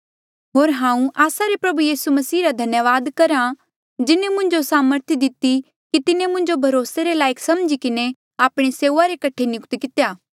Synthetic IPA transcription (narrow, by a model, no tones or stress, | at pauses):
ɦoːɾɦãːũʔaːsaɾepɾɐbujiːsumɐsiːɾad̪ʱɐnjəʋaːd̪kɐɾã | d͡ʒɪnemʊ̃ɲd͡ʒosaːməɾt̪ʰid̪ɪt̪ːi | kit̪ɪnẽmʊ̃ɲd͡ʒobʱɐɾoːseɾelaːɪkʰsɐmd͡ʒikɪne | aːpɽ̃eseːaɾekɐʈʰenɪkt̪ikɪt̪ejaː